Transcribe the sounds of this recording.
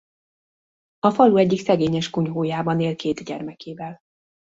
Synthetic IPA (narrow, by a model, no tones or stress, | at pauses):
ɒfɒluɛɟːiksɛɡeːɲɛʃkuɲɦoːjaːbɒneːlkeːt̪ɟɛ̰rmɛkeːvɛl